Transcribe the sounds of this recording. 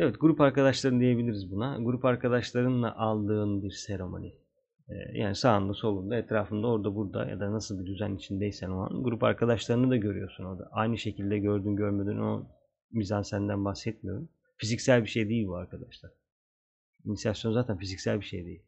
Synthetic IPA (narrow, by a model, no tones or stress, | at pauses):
evɛt̪̚ɡuɾupaɾkad̪aʃlˠaɾɯnɯd̪ijebilʲiɾizbunaɡuɾupaɾkʰad̪aʃlˠaɾɯnlˠa̰ʔalˠd̪ɯːnɯd̪iɾseɾo̞mo̰nʲḭː | ja̰ːnisaːnlɯso̞lˠund̪aet̪ɾaːfɯnd̪ao̞ɾd̪abuɾd̪a̰ja̰d̪anasɯlˠd̪id̪yzænit͡ʃʰind̪ejsænoa̰nɡuɾupa̰ɾkʰad̪aʃlˠaɾɯnɯd̪aɟø̞ɾy̰jo̞suno̞ɾd̪a̰ʔajnɯʃe̞cʰilʲd̪ɛɟøɾd̪ynɟøɾmed̪yno̞̰ | mizansænd̪ænbaxsɛt̪̚mijoɾum | fizicsælʲbiʃe̞jd̪eilʲbuaɾkʰad̪aʃlˠaɾ̥ | inisijasjo̞nzaːt̪ʰænfizicsælʲbiʃejd̪ejilʲ